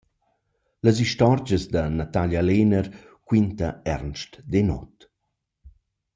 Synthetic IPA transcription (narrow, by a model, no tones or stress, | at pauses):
ləs̬iʃtɔɾd͡ʒəzd̪ɐnat̪aljalenəɾ | kwint̪aɛ̰ɾnʃtd̪enɔ̰t̪